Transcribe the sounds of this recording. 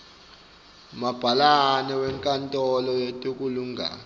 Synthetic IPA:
mab̥ʱalanɛwɛŋkʼantʼɔlɔjetʼuk̬ʼuluŋɡʱa̰ːn

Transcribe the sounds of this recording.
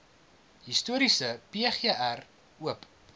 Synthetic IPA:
ɦistuəɾisəpeχeʔær | uəp

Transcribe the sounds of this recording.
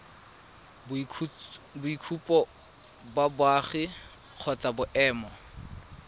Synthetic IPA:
b | bʊikʰupʼɔ | babwaχɪ | q͡χʰɔt͡sʼabʊʔɛːmɔ

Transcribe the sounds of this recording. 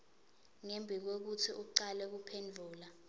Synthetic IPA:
ŋembʱik̬ok̬utʰiʔuǀalɛk̬upʰend͡ɮʱuːla

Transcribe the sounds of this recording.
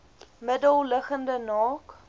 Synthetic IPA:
mədəlˠləχəndənɑːk

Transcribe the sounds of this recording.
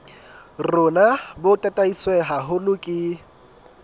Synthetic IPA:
rʊnabʊtʼatʼaiswɛɦaɦʊlʊkʼɪ

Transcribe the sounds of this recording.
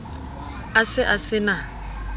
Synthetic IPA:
asɪʔasɪna

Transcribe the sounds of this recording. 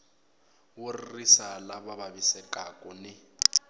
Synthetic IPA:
wʊrrisalaβaβaβisɛkʼakʼɔnɪ

